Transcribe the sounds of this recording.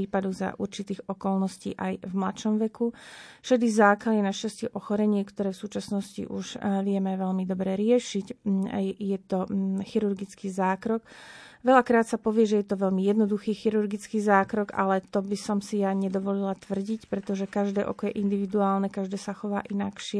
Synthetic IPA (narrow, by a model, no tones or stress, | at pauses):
iːpad̪ɔɣza̰ʔuɾt͡ʃit̪iːɣɔkɔlˠnɔscḭːʔajvmlaʃɔmʋɛkufʃɛd̪izaːklalinaʃcascɪɛʔɔxɔɾɛɲɪɛkt̪ɔɾɛːfsuːt͡ʃasnɔscḭʔuʒʋɪɛmɛʋɛlmid̪ɔbɾɛɾɪɛʃic | jɛt̪ɔxiɾuɾɡit͡skizaːkɾɔk | ʋɛʎakɾaːt̪sapɔʋɪɛʒɛjɛt̪ɔʋɛʎmijɛd̪nɔd̪uxiːxiɾuɾɡit͡skiːzaːkɾɔɡa̰lɛt̪ɔbisɔmsijaɲɛd̪ɔʋɔlilat̪ʋr̩ɟicpɾɛt̪ɔʒɛkaʒd̪ɛːʔɔkɔjɛʔind̪iʋid̪uaːlnɛkaʒd̪ɛːsaxɔʋaːʔinakʃɪɛ